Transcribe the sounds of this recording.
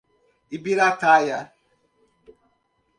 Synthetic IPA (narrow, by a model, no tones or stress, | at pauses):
ibiɾataja